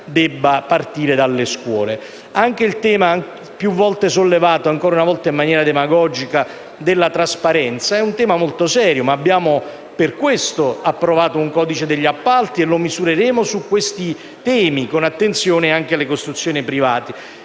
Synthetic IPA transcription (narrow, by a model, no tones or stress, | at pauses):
d̪ɛbːapart̪iːɾed̪alːeskwɔːle | aŋk̟eilt̪ɛːma | pjuvːɔlt̪esolːevaːt̪oaŋkɔːɾaunavɔlt̪aimːanjɛːɾad̪emaɡɔːd͡ʒika | d̪elːat̪ɾaspaɾɛnt̪saɛunt̪ɛːmamolt̪osɛːɾjomaːbːjaːmo | perkwest̪oapːɾovaːt̪ouŋkɔːd̪it͡ʃed̪eʎːiapːalt̪ielːomizuɾeɾeːmosukːwest̪i | t̪ɛːmikonat̪ːent̪sjoːneaŋk̟ealːekost̪ɾut̪sːjoːnipɾivaːt̪i